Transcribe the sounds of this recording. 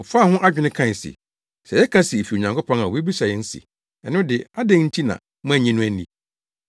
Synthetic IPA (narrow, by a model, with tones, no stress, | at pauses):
ɔ˨fa˦˨hʊ̃˦ʔa˦d͡ʑᶣɪ˨˦nɪ̃˦kʰã˦˨sḭ˨ | sɛ˨jɛ˦kʰã˦sɪ˨e˨fi˨o˨ɲã˨ŋkʰo˦pʰɔ̃˦ŋa˨we˦bi˦sa˨jɛ˦n̩˦sḭ˨ | ɛ˨nʊ̃˦dɪ˨a˦dɛ̃˦ŋn̩˦tʰi˦nã̰˨ | m̃˦˨ɲɛ̃˦nʊ̃˦æ˦nĩ˨